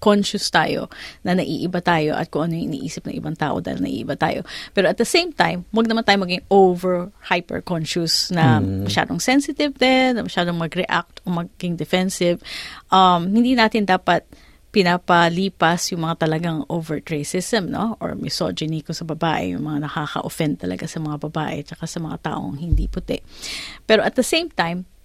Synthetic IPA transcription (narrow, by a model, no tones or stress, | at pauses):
konʃʊst̪aːjo̰nɐnɐʔḭːʔɪbat̪aːjo̞̰ʔɐ̰t̪̚kʊŋʔɐnojʊʔɪ̰nḭʔḭːsɪp̚nɐ̰ŋʔɪ̰baŋt̪a̰ːʔod̪a̰ːhɪ̰lnɐ̰ʔḭːʔɪbat̪a̰ːjo̰pɛːɾoɐt̪̚d̪ɐsẽjmt̪ãjmwɐɡ̚nɐmant̪aːjomɐɡɪŋovɛɹhajpɛ̰ɹkɔnʃusnɐmɐʃa̰ːd̪oŋsɛnsɪt̪ɪvd̪ɛnːɐmɐʃaːd̪oŋmɐɡɾɛʔa̰k̚t̪ʔomɐɡɡɪŋd̪ɛfɛnsɪvʔɐmhɪnd̪iːnaːt̪ɪnd̪aːpɐt̪̚ | pɪnapɐliːpɐsjʊŋmɐŋat̪ɐlɐɡaŋʔowvɛɹt̪ɹesɪst̪ɛmno̰ʔo̰ɹmɪso̰d͡ʒɪnikosɐbɐbaːʔɛ̰jʊ̰ŋmɐŋanɐkaxɐ̰ʔo̰fɛnd̪̚t̪ɐlɐ̰ɡasɐmɐŋabɐba̰ːʔɛ̰t͡ʃɐkasɐmɐŋa̰t̪a̰ːʔo̰ŋhɪnd̪ḭpʊt̪ɛ̰ʔpɛːɾoʔɐt̪̚d̪ɐsẽjmt̪ãjm